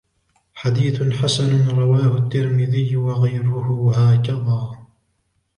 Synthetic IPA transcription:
ħad̪iːθħasanɾˤɑwaːhʊt̪ːɪɾmɪðɪjːwɑɣajɾʊhʊhaːkaðaː

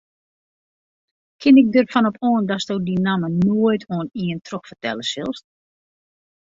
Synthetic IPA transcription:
kʰɪnɪk̚dərfɔnɔpʰɔːndɔsdoːdinamənoəjtʰoːniəntʰroxfərtɛ̰ləsɪ̰lˠs

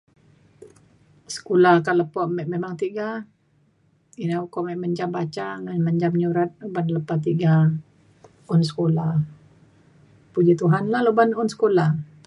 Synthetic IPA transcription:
sə̥kulakaləpɔʔmɛʔmemaŋt̪iɡa | inaukɔʔmɛʔməɲd͡ʒambat͡ʃaŋanməɲd͡ʒamɲuɾat̪̚lubanləpat̪iɡa | ʊnsə̥kola | pud͡ʒit̪uɦanlalobanʊnsə̥kolah

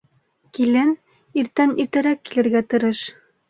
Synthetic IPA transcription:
kilæn | iɾt̪æniɾt̪ɘ̆ɾækːilɘ̆ɾɡæt̪ɤ̆ɾɤʃ

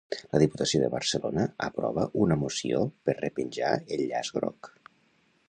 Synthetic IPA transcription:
ləðiput̪əsioðəβəɾsəlonəəpɾɔβəʔunəmusiopəɾrəpənʲʒa̰əʎʎazɡɾɔk

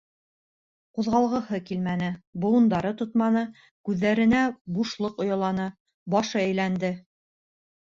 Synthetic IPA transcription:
quðʁɑlˠʁɤ̆hɤkilmænɘbŏlɤ̆nd̪ɑɾɤt̪ŏt̪mɑnɤ | kʉðːæɾɘ̆næbuʃlˠɤqŏjɑ̆lˠɑnɤ | bɑʃɤæjlænd̪ɘ

